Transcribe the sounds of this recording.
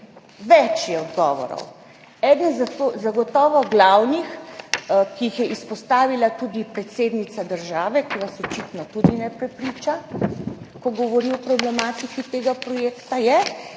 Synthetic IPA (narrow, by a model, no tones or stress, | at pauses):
ʋɛt͡ʃjɛɔd̪ɡɔːʋɔ̰ɾɔ̰w | ɛd̪nzat̪ozaɡɔt̪ɔːʋɔɡlawnix | kiːxjɛʔispɔst̪aːʋilat̪ud̪ipɾɛt̪seːd̪nit̪sad̪əɾʒaːʋɛkiʋasɔt͡ʃit̪nɔt̪ud̪inɛpɾɛpɾit͡ʃa | kɔɡɔʋɔɾiɔpɾɔblɛmaːt̪ikit̪eːɡapɾɔjeːkt̪ajɛ